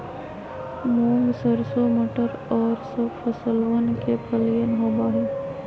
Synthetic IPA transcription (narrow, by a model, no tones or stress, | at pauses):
mõːŋɡsəɾsomoːʈəɾɔːɾsɐbfʰəsəlʋənkepʰəlijənɦoːbaːɦɛ̃ː